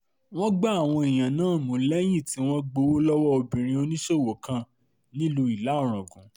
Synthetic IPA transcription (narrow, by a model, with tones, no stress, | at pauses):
w̃ɔ̃˦ɡ͡ba˦a˨w̃ɔ̃˧e˨j̃ã˨nãː˦˨mũ˨˦lɛ˦j̃ĩ˦˨ti˨˦w̃ɔ̃˦ɡ͡bo˧wo˦lɔ˦wɔ˦o˧bĩ˨ɾ̃ĩ˧o˧nĩ˦ʃo˦˨wo˨kã˧ | nĩ˦lu˧i˨la˨˦ɔ˦˨ɾ̃ã˨ɡũ˨˦